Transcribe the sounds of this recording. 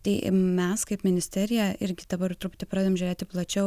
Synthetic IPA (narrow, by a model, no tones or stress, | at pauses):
t̪ɐɪmʲɛskɐɪpmʲɪnʲɪsʲt̪ʲæɾʲɪjɛɪɾʲɡʲɪd̪̥ɐbɐɾt̪ɾʊpʊt̪ʲɪpɾɑːd̪ʲeomʒʲʊɾʲeːt̪ʲɪplˠɐt͡ʃʲɛʊ